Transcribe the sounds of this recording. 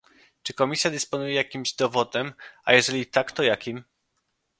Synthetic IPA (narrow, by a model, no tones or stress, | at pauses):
t͡ʂɘkɔmʲisʲjad̪ɛspɔnujɛjakʲimʑd̪ɔvɔd̪ɛma̰jɛʐɛlʲit̪akt̪ɔjakʲim